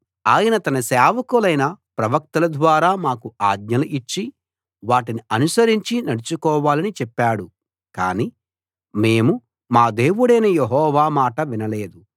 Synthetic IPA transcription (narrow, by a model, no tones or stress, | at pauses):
aːjɐnɐt̪ɐnɐsɛːʋɐkulɐjnɐpɾɐʋɐk̚t̪ɐlɐd̪ʋaːɾaːmaːkuaːɡ̪ɲɐluʔit͡ʃːi | ʋaːʈiniɐnusɐɾiɲt͡ʃinɐɽut͡ʃukɔːʋaːlɐnit͡ʃɛpːaːɽu | kaːni | meːmu | maːd̪e̞ːʋuɽɐjnɐjeɦɔːʋaːmaːʈɐʋinɐle̞ːd̪u